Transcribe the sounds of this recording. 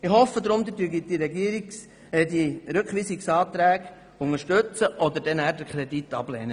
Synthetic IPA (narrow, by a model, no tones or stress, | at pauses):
ɪhɔfəd̪ɾʊmd̪ədyːɡit̚diɾɛɡiəɾiks | ədiɾɵkχʋiːsiksɑːt̪ɾæːɡ | ʊŋəʃtɵt͡səʔɔd̪əɾdɛnæːɾdəkʰɾɛd̪it̪ːɑ̰b̥lɛ̰ːnə